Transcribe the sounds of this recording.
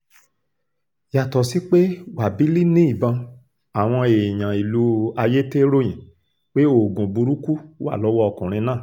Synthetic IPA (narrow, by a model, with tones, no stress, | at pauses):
ja˨tɔ˨si˦k͡pe˦wa˨bi˨˦li˦nĩ˦i˦˨bã˧ | a˨w̃ɔ̃˧e˨j̃ã˨i˨lu˧˦a˧je˦te˦ɾo˦j̃ĩ˨ | k͡pe˦o˨ɡũ˨bu˧ɾu˦ku˦wa̰˦˨lɔ˨˦wɔ˦ɔ˧kɔ̃˨ɾ̃ĩ˧nãː˦˨